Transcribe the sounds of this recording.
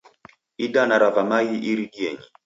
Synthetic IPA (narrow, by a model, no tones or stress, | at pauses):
idanaɾavamajiʔiɾiɗiɛɲi